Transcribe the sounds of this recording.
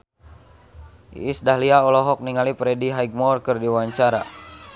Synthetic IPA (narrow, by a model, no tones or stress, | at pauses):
isdahliaɔlɔɦɔk̚niŋalipɾɛdiɦajɡ̚mɔrkɨrdiwaɲt͡ʃaɾa̰